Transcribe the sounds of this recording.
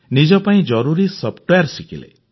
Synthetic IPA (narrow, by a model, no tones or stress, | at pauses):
nid͡ʒɔpaĩd͡ʒɔɾuɾisɔpʰʈojaɾsikilḛ